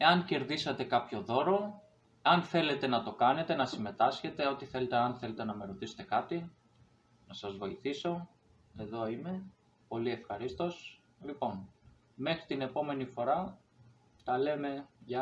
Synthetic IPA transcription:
e̞ɐnce̞ɾðisɐt̪e̞kɐpço̞ðo̞ɾo̞ | eɐnθe̞le̞t̪e̞nɐt̪o̞kɐne̞t̪e̞nɐsime̞t̪ɐsçe̞t̪e̞o̞t̪iθe̞le̞t̪eɐnθe̞le̞t̪e̞nɐme̞ɾo̞t̪ise̥t̪e̞kɐt̪i | nɐsɐzvo̞iθiso̞ | e̞ðo̞ime̞ | po̞lie̞fxɐɾist̪o̞s | lipo̞n | me̞xɾit̪ine̞po̞me̞nifo̞ɾɐ | t̪ɐle̞me̞ʝɐ

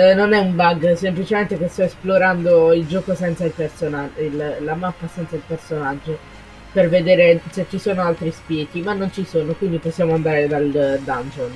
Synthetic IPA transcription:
nonɛumbaɡsemplit͡ʃement̪ekest̪ɔesploɾand̪oild͡ʒɔːkosɛnt̪sailpersonaillamapːasɛnt̪sailpersonad͡ʒːo | perved̪eːɾeset͡ʃːisoːnoalt̪ɾispjɛːk̪imanːont͡ʃisoːnokwind̪iposːjaːmoand̪aːɾed̪ald̪and͡ʒon

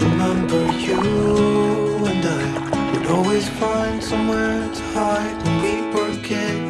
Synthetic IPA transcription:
ɹɨmɛ̃mbə˞ju | ɨ̃naɪ | kʰɨɾɔlˠwiz̥fãɪ̃nd̥sʌ̃mwɛɹtʰə̥haɪ | wiwə˞kʰɪ

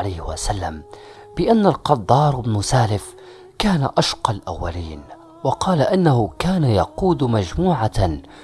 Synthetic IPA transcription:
lajhwa̰salːa̰m | b̥ɪʔanːalqɑd̪ˤːɑːɾˤɪbnʊsaːlɪf | kaːnaʔaʃqɑlʔa̰wːa̰liːn | wɑqɑːlaʔɪnːahʊkaːnajɑquːd̪mad͡ʒmuːʕa

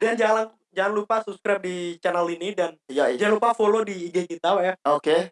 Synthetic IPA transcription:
dand͡ʒalan | d͡ʒalanlupasupskɾap̚dit͡ʃanalinidanjad͡ʒaanlupafolodiːɡekit̪awajaoke

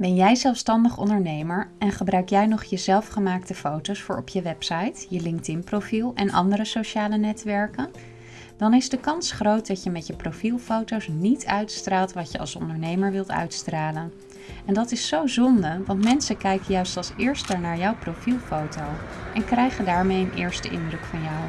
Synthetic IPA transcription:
bɛnjɛjzɛlˠfstɑndəχɔ̰ndəɹnejməɹɛnχəbrœɥkjɛjnɔχjəzɛlˠfχəmaːktəfowtowsfʊːɹɔpjəʋɛpsɑjtjəlɪŋk̚tɪnprowfilˠɛnʔɑ̰ndəɾəsoʃaːlənɛtʋɛɹkən | d̥ɑnɪzdəkɑnsχrowt̚dɑcjəmɛtjəprowfilˠfowtowsnitʰœɥtstraːlˠtʋɑtjəɑ̰lˠsɔ̰ndəɹnejməɹʋɪlˠtœ̰ɥtstraːlən | ɛndɑtɪsːowzɔndəʋɑntmɛnsəkɛjkəjœɥstɑlˠsɪːɹstəɹnaːɹjawprowfilˠfowtowʔɛnkrɛjχəndaːɹmejənʔɪ̰ːɹstəʔɪ̰ndrɵkfɑnjaw

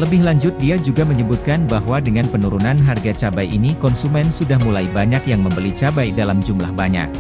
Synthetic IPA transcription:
ləbɪhlaɲd͡ʒʊt̪̚diad͡ʒuɡaməɲəbut̪̚kanbaɦwadəŋanpənuɾunanɦarɡat͡ʃabajʔinikɔnsumɛnsudahmulaibaɲakjaŋməmbəlit͡ʃabajdalamd͡ʒumlahbaɲa̰k̚

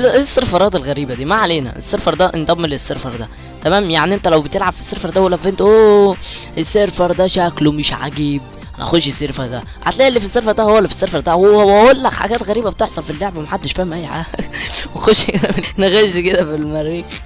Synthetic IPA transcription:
ʔesːeɾfɑɾˤɑːt̪elɣæɾiːbæd̪iːmaʕaleːnæ̰ʔḛsːeɾfɑɾˤd̪æʔend̪ˤɑmːelesːeɾfɑɾˤd̪æ | t̪æmæːmjaʕniʔent̪ælæwbet̪elʕab̥fi̥sːeɾfɑɾˤd̪æhælːæfʔent̪ʔoː | ʔesːeɾfɑɾˤd̪æʃæklomeʃʕa̰ɡeb̚ | ænæʔæ̰xod̪ʃesːeɾfɑɾˤd̪æ̰ | ʕa̰t̪læːlːifisːeɾˤfɑɾˤd̪æhowːælːæfi̥sːeɾˤfɑɾˤd̪æwwæolːæħa̰ɡæːt̪ɣæɾiːbæbet̪eħsˤɑnfilːeʕbæmæħad̪ːeʃfiːmæjʕæwexod̪ʃked̪æmneɣæʃked̪æfilmæɾiːx

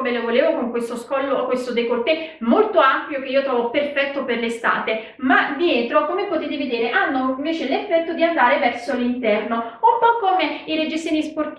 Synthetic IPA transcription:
melovoleːvokoŋkwest̪oskɔlːokwest̪od̪ekort̪emolt̪oampjokeiot̪ɾɔːvoperfɛt̪ːoperlest̪a̰ːt̪e | mad̪jɛːt̪ɾokomepot̪et̪̬eved̪eːɾeʔanːoiɱveːt͡ʃelefːɛt̪ːod̪iand̪aːɾevɛrsolint̪ɛrnoumpɔkːomeiɾed͡ʒisiːnisport̪

